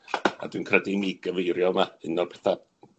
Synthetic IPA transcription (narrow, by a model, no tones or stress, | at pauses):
a̰d̥wɨnkʰrədɪmiɡəvejɾjɔlˠmaɪnɔrpʰɛ̥θa